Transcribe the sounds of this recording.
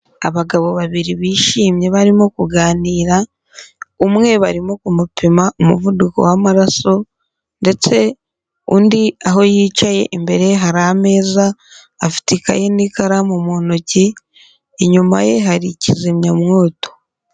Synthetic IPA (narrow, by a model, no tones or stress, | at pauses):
aβaɡaβo̞βaβiɾiβiːʃiːmɲe̞βaɾimokuɡaːniːɾa | umŋe̞βa̰ɾimo̞kumupʰimaʔumuvuduko̞̰wamaɾaso̞ | nde̞t͡se̞ | ṵːndiaɦo̞jiːt͡ʃaje̞̰ʔimbe̞ɾeɦaɾame̞ːzaː | fi̥tika̰jenikaɾamumonoci | eɲuma̰je̞ɦaɾicizimɲamŋo̞ːto̞̥